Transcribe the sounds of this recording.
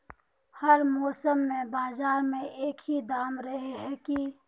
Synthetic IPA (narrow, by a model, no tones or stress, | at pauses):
həɾmɔːsəmːẽbaːzaːɾmẽʔeːkʰɦid̪aːmɾəɦeɦɛki